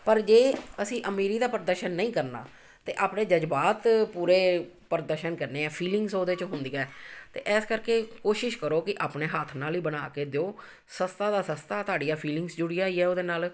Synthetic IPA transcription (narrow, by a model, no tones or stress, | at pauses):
pəɾd͡ʒeːəsĩːʔəmiːɾiːd̪aːpəɾəd̪əɾʃənːəĩːkəɾna̰ː | t̪eːʔaːpnẽːd͡ʒəd͡ʒbaːt̪puːɾeː | pəɾd̪əɾʃənkəɾneːɛːpʰiːlɪŋɡsoːd̪eːt͡ʃɦʊnd̪iːɛːt̪ḛːʔɛːskəɾkeːkoːʃɪʃkəɾoːkɪʔaːpneːɦət̪ʰnaːliːbənaːkeːd̪eoː | səst̪aːd̪aːsəst̪aːt̪oaːɖijaːpʰiːlɪŋɡsd͡ʒʊɽijaːiːɛːoːd̪eːnaːl